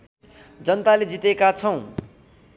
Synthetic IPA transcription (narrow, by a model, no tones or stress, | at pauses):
d͡zʌnt̪aled͡zit̪ekat͡sʰʌw̃